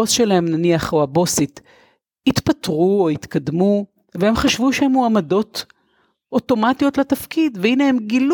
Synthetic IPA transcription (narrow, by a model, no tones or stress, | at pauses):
osʃelahemnaniaχohabo̞sit | hit̪patʁuoit̪kad̪mu | vehemχaʃvuʃehemoamado̞t | ʔoto̞matijo̞tlatafkidveinehemɡil